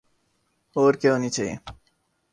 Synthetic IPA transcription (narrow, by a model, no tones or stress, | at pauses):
oɾkewnit͡ɕʰej